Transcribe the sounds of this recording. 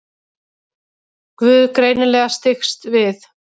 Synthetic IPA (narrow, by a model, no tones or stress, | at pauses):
kvʏːðkɾeːjnɪlɛːɣast̪ɪxst̪vɪθ